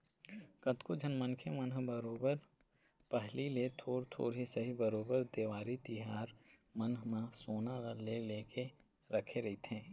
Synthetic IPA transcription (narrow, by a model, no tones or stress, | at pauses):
kɐt̪kod͡ʒʱɐnmənkʰemənɦbəɾoːbəɾ | pəɦlilet̪ʰoːɾt̪ʰo̰ːɾɦisɐɦibəɾoːbəɾd̪eːʋaːɾit̪ɪɦaːɾmɐnɦmãsoːnaleleːke | ɾɐkʰeɾɐɦit̪ʰẽː